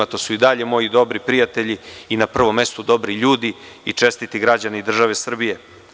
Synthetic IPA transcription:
at̪osuid̪aʎe̞mo̞jid̪o̞bɾipɾijat̪e̞ʎiinapr̩ʋo̞mːe̞st̪ud̪o̞bɾiʎuːd̪i | it͡ʂe̞st̪it̪iɡɾad͡ʑaneid̪r̩ʒaʋe̞sr̩bije̞

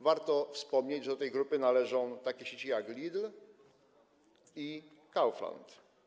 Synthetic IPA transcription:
vaɾt̪ɔfspɔmɲed͡ʑʐɛd̪ɔt̪ɛjɡɾupɘnalɛʐɔ̃w̃t̪akʲeɛɕet͡ɕijaklʲid̪l | i | kawfla̰nt̪

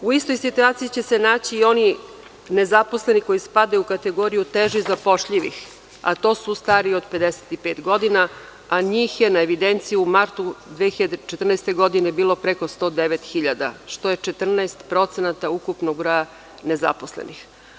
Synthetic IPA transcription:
uist̪o̞jsit̪uaːt̪sijit͡ɕe̞senaːt͡ɕiːo̞ni | ne̞zaposlˠe̞niko̞jispad̪aukat̪e̞ɡo̞ɾijut̪eʒizapo̞ʃʎiʋix | a̰t̪o̞ːsust̪aːɾio̞d̪pe̞d̪ese̥t̪ipeːt̪ɡo̞d̪ina | aɲiːxjenaeʋid̪ent̪sijiumaɾt̪ud̪ʋexiʎad̪et͡ʃet̪rnɛest̪eɡo̞d̪inebiːlˠo̞pɾeko̞st̪o̞ːd̪eʋet̪xiʎad̪a̰ʃt̪o̞jet͡ʃe̞t̪r̩naest̪pɾo̞t̪senat̪aukupnoɡbɾoja | neza̰po̞slḛnix

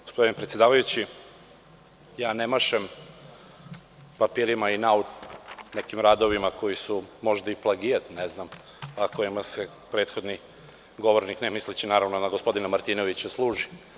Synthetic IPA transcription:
ɡospod̪inepɾet̪sjed̪aːʋajut͡ɕi | jaːnemaʃem | papiːɾimainaunekimɾaːd̪o̞ʋimako̞jisumo̞ʒd̪aiplˠaɡijat̪neznam | ako̞jimase | pɾe̞ːt̪xo̞d̪ni | ɡo̞ʋoɾniknemislit͡ɕinaːɾaʋnonaɡospo̞d̪inamaɾt̪iːno̞ʋit͡ɕaslˠuːʒi̥

